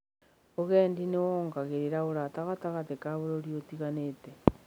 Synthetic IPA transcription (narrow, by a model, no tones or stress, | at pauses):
oɣɛːndinewɔːŋɡaɣeɾeɾaoɾataɣataɣatekaβoɾoɾjotiɣanete